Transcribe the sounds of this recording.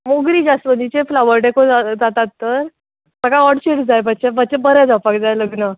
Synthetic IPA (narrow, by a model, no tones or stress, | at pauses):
moɡɾiːd͡ʑasʋənd̪it͡ɕeflaʋəɾɖekod͡zad͡zat̪at̪ːəɾ | səkaɔɽɕeʈd͡zajbʱət̪̚t͡ɕebət̪̚t͡ɕebəɾɛ̃d͡zapak̚d͡zajləɡnə